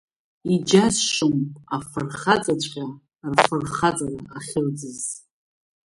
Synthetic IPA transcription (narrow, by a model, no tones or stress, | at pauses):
id͡ʒasʃʊmpʼafɨrχat͡sʼat͡ʃʷʰʼqʲa | rfɨrχat͡sʼaraːχʲɪld͡zɨz